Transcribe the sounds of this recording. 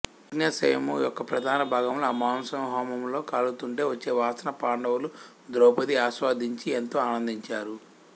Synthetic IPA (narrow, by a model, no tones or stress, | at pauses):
iɡnjɐsɐ̰jɐmujɔkːɐpɾɐd̪ʱaːnɐbʱaːɡɐmloɐmaːmsɐmɦaːmɐmlo̞ːkaːlut̪uɳʈe̞ːʋɐt͡ʃːe̞ːʋaːsɐnɐpaːɳɖɐwulu | d̪ɾoːpɐd̪iaːsʋaːd̪ʱiɲt͡ʃient̪oːaːnɐnd̪iɲt͡ʃaːɾu